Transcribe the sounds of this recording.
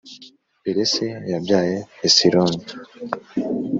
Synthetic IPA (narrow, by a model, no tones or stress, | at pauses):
peɾesejabɟaːjeesiɾon